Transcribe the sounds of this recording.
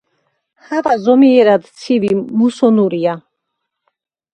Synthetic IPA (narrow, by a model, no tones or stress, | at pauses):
havazɔmiɛɾad̪t͡sʰivimusɔnuɾia